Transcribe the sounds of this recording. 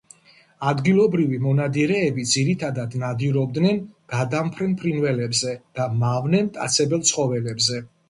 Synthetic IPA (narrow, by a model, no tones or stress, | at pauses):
ad̪ɡilˠɔbɾivimɔnad̪iɾɛːbid̪ziɾit̪ʰad̪ad̪nad̪iɾɔb̚d̪nɛnɡ̥ad̪ampʰɾɛnpʰɾinvɛlɛbzɛd̪̥amavnɛmt̪ʼa̰t̪sʰɛbɛlˠt̪sʰχɔvɛlɛbzɛ